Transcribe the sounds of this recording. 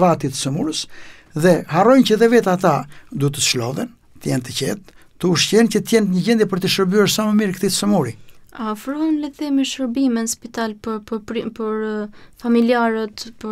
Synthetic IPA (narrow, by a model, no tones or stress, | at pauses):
vat̪it̪ə̥səmuɾəs | ðɛɦarɔjncəðɛvɛt̪at̪ad̪ut̪əslɔ̰ðɛn | t̪əjɛnt̪əcɛt̪̚t̪ːəuʃcɛncət̪jɛnt̪ɲəɟɛnd̪jɛpəɾt̪əʃəɾbyɛɾsaməmiɾkət̪it̪ə̥səmuɾiafɾuhənləθimɛʃəɾbimənspit̪alpppəɾfamiliaɾət̪pə